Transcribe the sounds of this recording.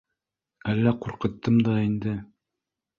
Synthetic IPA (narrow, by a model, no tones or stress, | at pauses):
ælːæquɾqɤ̆t̪ːɤmd̪ɑind̪ɘ